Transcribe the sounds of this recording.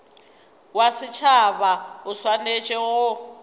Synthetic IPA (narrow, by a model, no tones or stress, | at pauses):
wasɪt͡ʃʰaβaʊswanet͡ʃʼɛɣʊ